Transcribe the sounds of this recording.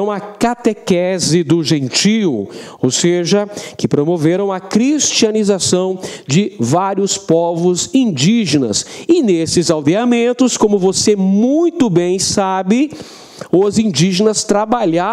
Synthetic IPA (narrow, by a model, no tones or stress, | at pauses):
ɐ̃w̃ɐkat̪ekɛzɪd̪ʊʒẽnt͡ʃiw | owseʒɐkɪpɾomoveɾɐ̃w̃ɐkɾist͡ʃiɐnizasɐ̃w̃d͡ʒɪvaɾiʊspɔvʊzĩd͡ʒiʒenɐ̰sɪnesɪzawd̪eamẽnt̪ʊskõmʊvosemũj̃t̪ʊbẽj̃sabɪ | ʊzĩnd͡ʒiʒenɐst̪ɾabaʎa